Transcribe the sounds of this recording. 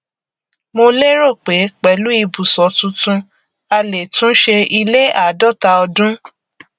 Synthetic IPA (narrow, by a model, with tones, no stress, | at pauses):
mo˧le˦ɾo˦˨k͡pe˨˦k͡pɛ˨˦lu˨˦i˧bu˨sɔ˨˦tũ˧˦tũ˧ | a˧le˨tũ˦ʃe˧i˧le˦a˨dɔ˦˨ta˧ɔ˧dũ˦